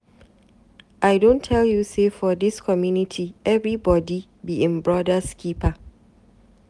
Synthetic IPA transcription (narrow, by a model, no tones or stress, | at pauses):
ʔaɪdõntʰːɛljusefɔdɪskʰɔmjunitʰiɛvɹibɔdi | biɛ̃mbɹɔdəskʰipə